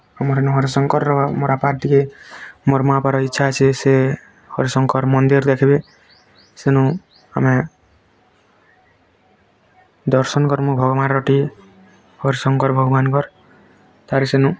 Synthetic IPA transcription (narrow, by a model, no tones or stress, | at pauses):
amɔɾenuɦɔɾisɔŋkɔɾɔmɔɾapaɾt̪ʰikemɔɾmapaɾɔitːʃʰaːt͡ʃʰese | hɔɾisɔŋkɔɾmɔnd̪iɾd̪ekʰibe | senũ | a̰me | d̪ɔɾsɔnkɔɾmobʱɔɡɔmaɾɾɔʈi | hɔɾisɔŋkɔɾbʱɔɡɔbankɔɾ | t̪aɾesenũ